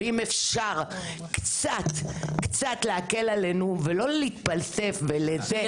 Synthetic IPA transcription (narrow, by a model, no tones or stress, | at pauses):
imefʃaʁ | kt͡sat̪kt͡sat̪leake̞lale̞nuvelo̞lit̪palse̞fveleze